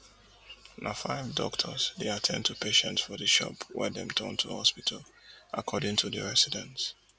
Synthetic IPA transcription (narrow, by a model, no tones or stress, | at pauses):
nʔafaɪvdɔ̰ktʰəzðeatʰɛ̃ndtʰupʰeʃə̃ntsfɔðəʃɔ̰pʰwɛ̰ðɛ̰̃mtʰɔ̰̃ntʰuhɔspitʰəl | ʔakʰɔdɪ̃ŋtʰuðə̰ɹɛsidɛ̃ns